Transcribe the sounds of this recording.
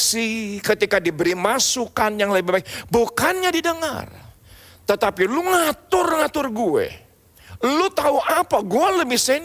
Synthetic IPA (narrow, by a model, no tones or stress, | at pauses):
sikət̪ikadibəɾimasukanjaŋləbibabaibukanɲadidəŋa̰r | t̪ət̪apiluŋat̪ʊrŋat̪ʊrɡuɛ̰ | lut̪auʔapaɡualəbɪhsan